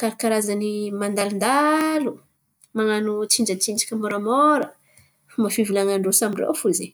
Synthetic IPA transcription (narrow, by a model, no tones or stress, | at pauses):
kaɾikaɾazanimand̪alind̪alu | maŋanut͡sind͡ʒət͡sind͡ʒḁkʲəmoɾamɔɾə | mafivilaŋaɳɖ͡ʐosamiɖ͡ʐḛwfulze